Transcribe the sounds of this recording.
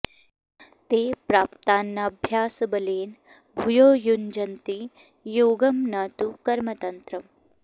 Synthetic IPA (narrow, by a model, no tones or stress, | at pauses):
t̪eːpɾaːpt̪aːnːaɐbʱjaːsbɐleːn | bʱujoːjund͡ʒɐnt̪i | joːɡɐmnaːt̪ukɐɾmɐt̪ɐnt̪ɾɐm